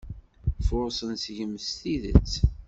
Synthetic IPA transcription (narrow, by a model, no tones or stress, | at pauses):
fʊsˤənsʝəmst̪iðə̰t͡sː